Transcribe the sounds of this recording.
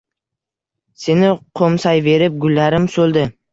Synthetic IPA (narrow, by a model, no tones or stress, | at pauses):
se̞nɪqʰomsajve̞ɾɪp̚ɡʊlːaɾɪmsɵlˠd̪ɪ